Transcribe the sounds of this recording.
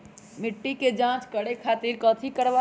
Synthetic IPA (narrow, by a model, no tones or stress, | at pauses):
mɪʈːiked͡ʒãt͡ʃkəɽekʰaːt̪iɾkɔːt̪ʰikəɾʋa